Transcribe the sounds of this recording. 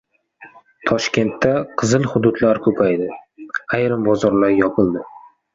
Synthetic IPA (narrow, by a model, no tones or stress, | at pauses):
t̪ʰɒʃkʲe̞nt̪ʰːaqʰɨzɨlˠhʊd̪ʊd̪laɾkʰɵpʰajd̪ɪajɾɪmbɒzɒɾlaɾjɒpʰɨlˠd̪ɪ